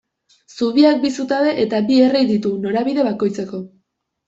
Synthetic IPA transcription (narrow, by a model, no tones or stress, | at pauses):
suβiak̚bisut̪aβe̞ʔet̪abie̞rejd̪it̪uno̞ɾaβiðe̞βako̞jt͡se̞ko̞